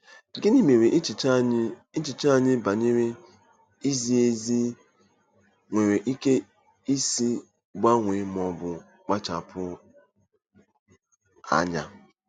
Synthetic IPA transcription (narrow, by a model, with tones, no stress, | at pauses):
ɡɪ˦ni˦me˨ɾe˨ʔt͡ʃi˦t͡ʃi˨t͡ʃa˦˨ɲɪ˦ba˨ɲe˦ɾe˦ | i˦zi˦e˦zi˦ | ŋʷe˨ɾe˨ʔi˦ke˦ | i˦si˦ | ɡ͡ba˦ŋʷe˨mɔ˨bʊ˨ | k͡pa˦t͡ʃa˨pʰʊ˦ | a̰˦ɲa̰˦